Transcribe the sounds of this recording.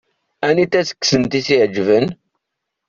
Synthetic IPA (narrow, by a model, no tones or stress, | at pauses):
ænit̪ːæsə̥kːsəmt̪isiʕd͡ʒvən